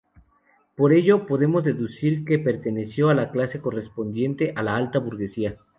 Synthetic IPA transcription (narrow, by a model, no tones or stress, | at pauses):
po̞ɾe̞ʝo̞po̞ðe̞mo̞zðe̞ðusiɾke̞pe̞ɾt̪e̞ne̞sjo̞alaklase̞ko̞re̞spo̞nd̪je̞nt̪e̞ʔalaalt̪aβuɾɣe̞sia